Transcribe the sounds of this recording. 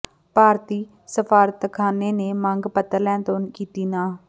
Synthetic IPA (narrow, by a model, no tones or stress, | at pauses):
paːɾt̪iː | səpʰaːɾət̪kʰaːneːneːməŋɡpət̪əɾlɛ̃ːt̪oːnkiːt̪iːnaː